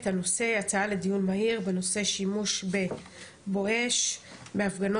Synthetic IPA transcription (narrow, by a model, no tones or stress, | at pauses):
thano̞se̞jat͡saale̞dijunmaiʁbe̞no̞se̞ʃimuʃbe̞ | bo̞e̞ʃbe̞afɡano